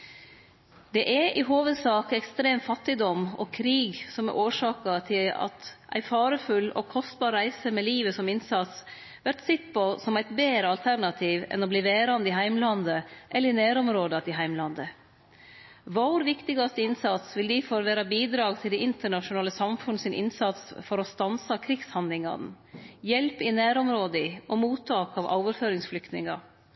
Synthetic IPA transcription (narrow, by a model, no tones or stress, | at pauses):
d̪̥ɛʔɛʔɪɦoːʋəd̪sɑːkɛkst̪ɾeːmfɑt̪ːɪd̪ɔmɔ̰kʰɾiːɡsɔmɛ̰ʔoːʂɑːkɑt̪ʰɪlɑ̰t̪ʔæ̰ɪfɑːɾəfʉlɔ̰kʰɔst̪bɑːɾɾæɪsəmɛliːʋəsɔmɪnsɑt̪s | ʋæɾʈ̪sɛt̪pʰɔsɔmæɪt̪beːɾəɑlt̪ʰæɾɳɑt̪ʰiːʋɛ̰nɔbliːʋeːɾɑnd̪əɪɦæɪmlɑnd̪əʔɛlːəɾɪnæːɾɔmɾoːd̪ɑt̪ɪɦæɪmlɑnd̪ə | ʋɔɾʋɪkt̪ɪɡɑst̪əɪnsɑt̪sʋɪld̪ifɔɾʋeːɾɑbiːd̪ɾɑːɡt̪ʰɪld̪ɛɪʔɪnt̪əɳɑʂʊnɑːləsɑmfʉnəsɪnʔɪ̰nsɑt̪sfɔɾɔst̪ɑnsɑkʰɾɪɡshɑnlɪŋɑ̰n | jɛlpɪnæːɾɔmɾoːd̪əɪɔmuːt̪ʰːɑːkɑʋʔo̰ːʋəɾføːɾɪŋsflʏkt̪nɪ̰ŋɑ̰